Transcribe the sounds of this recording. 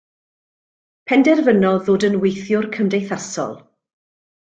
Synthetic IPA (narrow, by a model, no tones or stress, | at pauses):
pʰɛndɛrvənɔðoːdənwejθjʊrkʰəmdejθasɔ̰lˠ